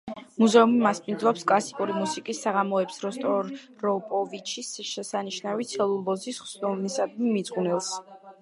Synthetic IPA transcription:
muzɛumimaspʼind̪zlˠɔpskʼlˠasikʼuɾimusikʼisːaʁamɔɛpsɾɔst̪ʼɔɾ | ɾɔpʼɔvit͡ʃʰisʃɛsaniʃnavit̪sʰɛlˠulˠbɔzisχsnɔmnisad̪̚mimit̪sʼqʼunɛlˠs

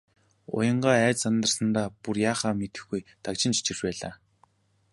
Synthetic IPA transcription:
ʊ̰jə̆ɴɢaːæːt͡ɕsant̪ə̆rsə̆nt̪aːpurjaːχaːmet̪ɘ̆xɡujt̪akt͡ɕɪ̆nt͡ɕi̥t͡ɕĭrt͡ɕpæːɮa̰ː

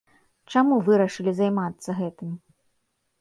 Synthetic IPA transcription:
t͡ʂamuvɨɾɐʂɨlʲizajmat̪sːɐɣɛt̪ɨm

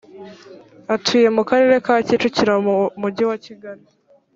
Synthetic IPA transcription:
atʰuːje̞mukaɾe̞ɾe̞kaːcit͡ʃuciɾamuɟiwaciɡaɾi

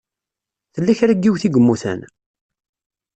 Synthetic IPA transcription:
θəlːæçɾæɡːiwθiɡəmːuθæ̰n

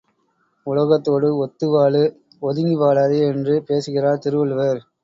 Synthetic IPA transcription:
ʊɭɐɣɐt̪ːoːɽɯɔt̪ːɯʋaːɭɯ | ɔðɯŋiʋaːɭaðɯɛndrɯpeːsɯɣɪraːɾt̪ɪɾɯʋɯɭʋɐɾ

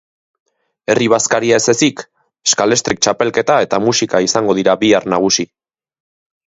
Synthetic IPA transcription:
e̞riβ̞askaɾiaese̞sik | e̥skale̞st̪ɾik̚t͡ʃape̞lke̞t̪ae̞t̪amusikaisaŋɡo̞ð̞iɾaβiarnaɣ̞usi

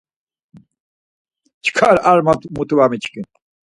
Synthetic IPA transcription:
t͡ʃʰkʰaɾaɾmat̪mut̪ʰuwamit͡ʃʰkin

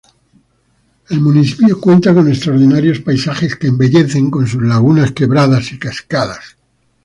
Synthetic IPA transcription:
e̞lmuniθipjokwe̞nt̪ako̞nest̪ɾaoɾðinaɾjo̞spajsaχe̞skeːmbe̞ʎe̞θe̞ŋko̞ns̬uzlaɣ̞unaske̞βɾað̞asikaskaðas

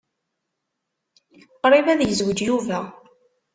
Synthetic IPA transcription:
qɾˤivæðjəzwəd͡ʒjuvæ

